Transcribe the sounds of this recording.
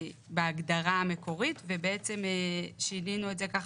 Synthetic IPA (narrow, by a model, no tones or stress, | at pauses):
beaɡdaʁaame̞ko̞ʁitve̞beet͡se̞meʃininuetzekaχ